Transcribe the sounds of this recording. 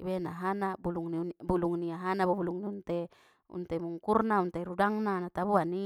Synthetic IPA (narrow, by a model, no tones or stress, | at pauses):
benaɦanabuluŋninbuluŋniaɦanabubuluŋniunt̪e | ṵnt̪emuŋkurnaunt̪eɾudaŋnanat̪abuani